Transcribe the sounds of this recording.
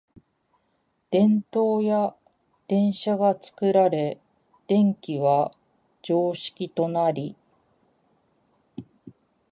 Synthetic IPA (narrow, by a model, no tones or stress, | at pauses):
d̪̥ẽ̞nt̪o̞ːja | d̪̥ẽ̞ɰ̃ɕaɡat͡sɨ̥kɯ̟ɾaɾe̞ | d̪̥ẽ̞ŋkʲiβa | d͡ʑo̞ːɕi̥kʲit̪o̞naɾʲi